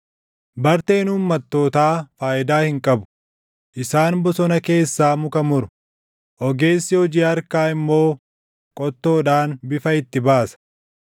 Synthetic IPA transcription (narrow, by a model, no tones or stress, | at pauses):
bɐɾt̪e̞ːnhuːmːɐt̪ːo̞ːt̪aːfaːʔɪd̪aːhɪŋkʼɐbʊ̥ | ʔɪsaːnbɔsɔnɐke̞ːsːaːmʊkɐmʊɾʊ | ʔɔɡe̞ːsːɪhɔd͡ʒiːɐɾkaːɪmːo̞ː | kʼɔt̪ːo̞ːᶑaːnbɪfɐɪt̪ːɪbaːsɐ̥